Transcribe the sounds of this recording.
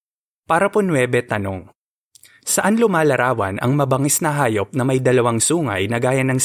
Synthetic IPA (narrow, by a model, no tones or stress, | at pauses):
paːɾɐponwɛːbɛt̪ɐno̞ŋ | sɐʔanlʊmaːlɐɾaːwɐ̰nʔɐ̰ŋmɐbɐŋɛsnɐɦaːjop̚nɐmɐjd̪ɐlɐwaŋsuːŋɐ̰jnɐɡaːjɐnɐŋ